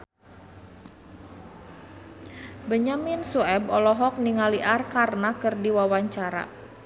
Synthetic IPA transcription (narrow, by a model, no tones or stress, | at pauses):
bəɲaminsuɛbɔlɔɦɔk̚niŋaliʔarkarnakɨrdiwawaɲt͡ʃaɾa̰